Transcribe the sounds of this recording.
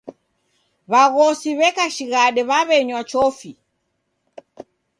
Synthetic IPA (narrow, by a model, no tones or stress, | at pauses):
βaɣɔsiβɛkaʃiɣaɗɛβaβɛɲwat͡ʃɔfi